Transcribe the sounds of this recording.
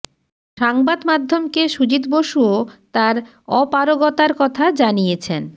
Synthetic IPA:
ʃaŋbad̪mad̪ʱːomkeʃud͡ʑit̪boʃuot̪aɾ | ɔpaɾoɡɔt̪aɾkɔt̪ʰad͡ʑanijet͡ɕʰen

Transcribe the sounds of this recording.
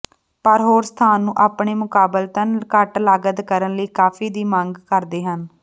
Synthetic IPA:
pəɾɦoːɾst̪ʰaːnːũːʔaːpɳeːmʊkaːbəlt̪ənkəʈlaːɡəd̪kəɾənləiːkaːpʰiːd̪iːmə̃ŋɡkəɾd̪eːɦən

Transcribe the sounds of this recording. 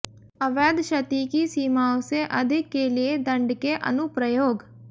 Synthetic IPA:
əʋɛːd̪ʃət̪iːkiːsiːmaːwseʔəd̪ʱɪkːeːlɪeːd̪ə̃ɳɖkeːʔə̰nʊpɾəjoːɡ

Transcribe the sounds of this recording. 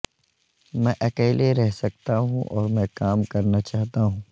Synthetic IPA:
mɛ̃ːʔɐkɛːleɾɛɦsɐk̚t̪aɦũʔɔːɾmɛ̃kaːmkɐɾnat͡ʃaːɦt̪aɦũː

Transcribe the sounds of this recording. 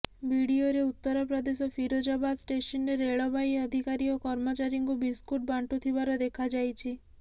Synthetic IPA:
biɽioɾeut̪ːɔɾɔpɾɔd̪esɔpʰiɾod͡ʒɔbad̪sʈesɔnɾeɾeɭɔbajɔd̪ʱikaɾiɔkɔɾmɔt͡ʃaɾiŋkubiskuʈ̚baɳʈut̪ʰibaɾɔd̪ekʰad͡ʒajt͡ʃʰi

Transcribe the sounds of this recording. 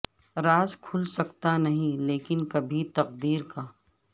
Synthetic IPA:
ɾaːzkʰʊlsɐkt̪anɐɦĩleːkɪnkɐbʱit̪ɐqd̪iːɾkaː

